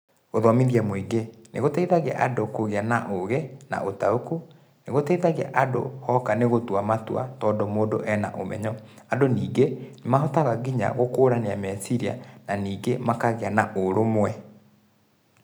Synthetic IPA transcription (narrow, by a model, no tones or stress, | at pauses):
oðɔmiðiamwiɡenḛɣotɛiðaɣa̰ʔadokoɣeanaʔoɣɛna̰otaoku | neɣotɛiðaɣea̰ʔado̰hɔkaneɣotwamatwa̰tɔːndomoːdoʔɛna̰ʔomɛ̰ɲɔ | adoniːɡenemaɦɔtaɣaɣiɲa̰ɣokoːɾaneamɛsiɾia̰naniːɡemakaɣeanaʔoɾomwɛ